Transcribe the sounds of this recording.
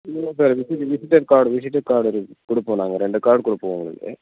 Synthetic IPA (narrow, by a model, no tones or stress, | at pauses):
ɐsaɾʋisiʈːʋisiʈːɐɾkaːɖʋis̬iʈːɐkaːɾɽoɾukoɽupːoːna̰ːŋːɐɾeɳɖɨkaːɾɖɨkoɽupːoːʋuŋːɐɭḭlɖḛ